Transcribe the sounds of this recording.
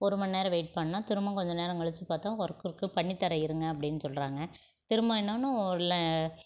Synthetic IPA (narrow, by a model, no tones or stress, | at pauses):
ɔɾɯmɐnːeːɾɐ̃ʋeːʈ̚pɐɳːɐːaːt̪ɪɾɯmɐ̃kɔɲd͡ʒɐneːɾɐ̃ŋɛɭɯt͡ʃːɯpaːt̪ãːɔɾɐkːɯɾɯkːɯpɐɳːit̪ːɐɾɐɪɾɯŋɡɐɐpːɐɽɪnːɯsɔlɾaːŋɡɐ | t̪ɪɾɯmɐ̃ɛnːaːnːʊ̃ɔɾɪlɛ